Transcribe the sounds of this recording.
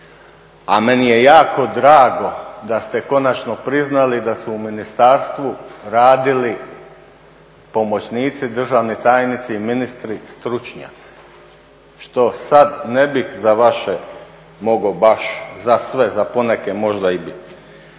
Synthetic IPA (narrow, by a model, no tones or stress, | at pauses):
ame̞nijejaːko̞d̪ɾaːɡo̞d̪ast̪eko̞nat͡ʃno̞pɾiznalid̪asuuminist̪aɾst̪ʋuɾaːd̪ili | po̞mo̞t͡ɕniːt̪sid̪r̩ʒaːʋnit̪ajnit̪siiminist̪ɾist̪ɾut͡ʃɲa̰t̪si̥ | ʃt̪o̞sad̪nebixzaʋaʃe | mo̞ɡobaʃzasʋe̞zaponekemo̞ʒd̪aibit̪